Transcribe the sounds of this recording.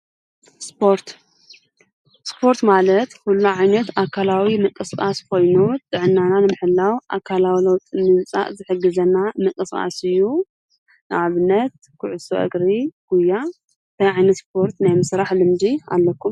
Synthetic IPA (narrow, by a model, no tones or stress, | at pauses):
spʰoɾt̪ | spʰo̞ɾt̪malɐt̪hulːuʕajnɐt̪akʰalawimɨkʼɨskʼaskʰo̞jnut̪ʼɨʕɨnːananɨmɨħɨlːawʔakʰalawilɐwt̪ʼɨnɨnt͡sʼa̰ʔzɨħɨɡːɐzɐnamɨkʼɨsʼa̰sɨjːu | nɨʔaβɨnːɐt̪̚ | kʰʊʕʊso̰ʔɨ̰ɡɾiɡ̥uja | t̪ʰajʕajnɐt̪spʰo̞ɾt̪najmɨsɾaħlɨmd͡ʒia̰lːɐkʰːum